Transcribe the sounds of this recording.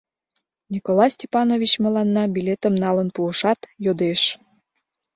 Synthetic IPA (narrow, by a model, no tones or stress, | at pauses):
nʲikolɑsʲtʲepɑnovʲit͡ɕmə̆lɑnːɑbilʲet̪əmnɑlənpuəʃɑt̪jod̪eʃ